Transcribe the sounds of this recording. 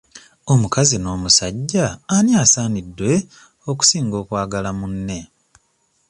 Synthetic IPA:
o̞mukazino̞ːmusaɟːaːnjaːsaːnidwe̞ | o̞ku̥siːŋɡo̞ːkwaːɡalamunːe̞

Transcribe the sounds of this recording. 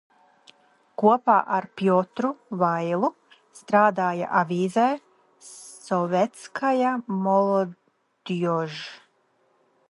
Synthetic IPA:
kuɔpa̰ːʔaɾpjɔt̪ɾuvajlˠu | st̪ɾaːd̪aːja̰ʔavʲiːzɛj | sɔvʲɛt̪skʰajamɔlˠɔ | d̪̥ɔʒ

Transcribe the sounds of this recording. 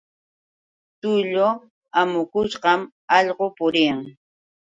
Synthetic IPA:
t̪ʊʎo | amʊkʊʃɢɑm | ɑʎɢopʊɾɪjaŋ

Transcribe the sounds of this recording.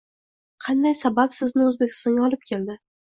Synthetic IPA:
qʰɑnd̪ajsabapsɪznɪɵzbekʲʰɪ̥st̪ɒŋɡʲaɒlˠɪp̚kʲʰe̞ld̪ɪ

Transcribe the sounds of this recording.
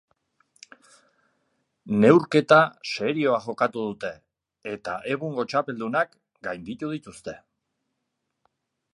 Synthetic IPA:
ne̞wɾke̞t̪ase̞ɾio̞aʝo̞kat̪uðut̪e̞ː | t̪aʔe̞ɣuŋɡo̞t͡ʃape̞ld̪unak | ɡajnd̪it̪uðit̪ust̪e̞

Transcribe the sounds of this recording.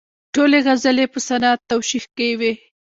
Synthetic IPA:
ʈoleɣazəlepəsanɑt̪ːawʃixkewe

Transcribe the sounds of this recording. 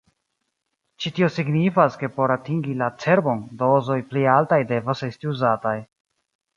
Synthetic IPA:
t͡ʃitio̞siɡnifaske̞po̞ɾatiŋɡilat͡se̞ɾbo̞ndo̞zo̞jplialtajde̞vase̞stiuzataj

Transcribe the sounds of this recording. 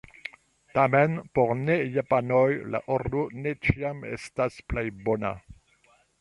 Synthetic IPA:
tamenpoʁnejapanojla̰ʔoʁdonet͡ʃiamḛstasplejbona̰

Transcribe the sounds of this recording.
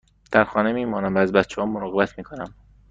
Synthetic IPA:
d̪̥æɾxɒːne̞miːmɒːnæmvæːzbæt̪t͡ʃʰehɒːmːoɾɒːɣebæt̪ʰmiːkʰonæm

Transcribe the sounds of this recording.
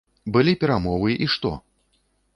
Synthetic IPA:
bɨlʲipʲɛɾamɔvɨʔiʂt̪ɔ̰

